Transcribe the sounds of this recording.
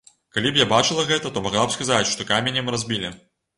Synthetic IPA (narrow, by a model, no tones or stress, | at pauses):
kalʲipjabat͡ʂɨlˠɐɣɛt̪ɐt̪ɔmaɣlˠabskazat͡sʲʂt̪ɔkamʲenʲimrazʲbʲilʲi